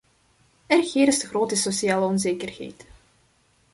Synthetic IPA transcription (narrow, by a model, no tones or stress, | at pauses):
ɛrxɪːɾɪsdəχroːtəsosiaːləɔnzeːkərɣɛ̰jt